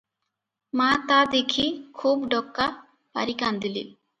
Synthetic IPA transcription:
mat̪ad̪ekʰikʰuːbɖɔkːa | pa̰ɾikand̪ilḭ

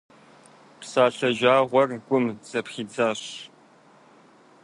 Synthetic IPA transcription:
psaːɬɐʒaːʁʷɔrɡʷʼʊmz̥ɐpχiːd͡zaːɕ

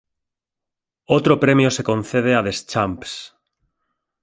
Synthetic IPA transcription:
ot̪ɾopɾemjosekon̟θeð̞eaðest͡ʃamps

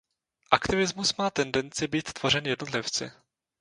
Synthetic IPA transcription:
ʔakt̪ɪvɪzmusmaːt̪ɛndɛnt͡sɪbiːt̪t̪v̥or̝ɛnjɛdno̞t̪lɪft͡sɪ̰

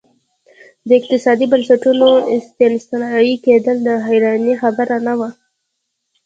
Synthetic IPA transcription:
d̪əɪq̚t̪ɪsɑd̪ibansaʈunoɪst̪emst̪njiked̪əld̪əɦajɾɑnixabəɾanawa

